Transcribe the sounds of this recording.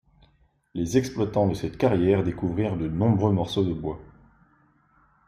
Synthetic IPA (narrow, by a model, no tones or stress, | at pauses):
lezɛksplwat̪ɑ̃d̪əsɛt̪kaʁjɛʁd̪ekuvʁiʁd̪ənɔ̃bʁømɔʁsod̪əbwa